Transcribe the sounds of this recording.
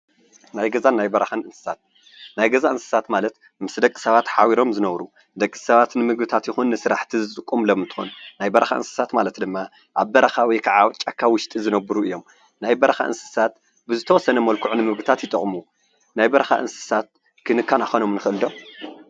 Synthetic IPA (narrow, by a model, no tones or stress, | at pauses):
najɡɐzanːajbɐɾɐxanɨnsɨ̥sat̪̚ | najɡɐzaʔɨnsɨ̥sat̪malɐt̪ | mɨsd̪ɐkʼi̥sɐβat̪ħawiɾomzɨnɐβɾu | d̪ɐkʼːisɐβat̪nɨmɨɡbɨt̪ʰat̪jɪxunːɨsɨɾaħt̪ʰizɨt̪ʼɨkʼːomlomɨnt̪ʰɨ̥xo̰nunajbɐɾɐxa̰ʔɨ̰nsɨ̥sat̪malɐt̪d̪ɨmːa | ʔaβbɐɾɐxawɔjkʰaʕat͡ʃʼakʰːawʊʃt̪ʼizɨnɐβɨɾuɨjːo̞m | najbɐɾɐxa̰ʔɨ̰nsɨ̥sat̪ | bɨzɨt̪ʰɐwɔsːɐnɐmɐlkʰuʕunɨmɨɡbɨt̪ʰat̪jɪt̪ʼɨχʼmu | najbɐɾɐxa̰ʔɨ̰nsɨ̥sat̪̚ | kʰɨnɨkʰːanaxono̞mnɨxʔɨld̪o